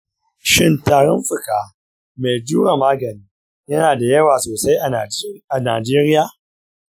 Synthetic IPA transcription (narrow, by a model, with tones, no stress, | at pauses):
ʃɪ˦ntaː˨ɽɔ˦mɸɪ˨kaː˦ | me˨d͡ʒu˦ɽɐ˨mːaː˦ɡɐ˨niː˦ | jɐ˦naː˨da˨jɐ˦waː˨soː˨sa˦jʔa˨a˨na̰ː˨d͡ʒeː˦ɾɪ˦jaː˨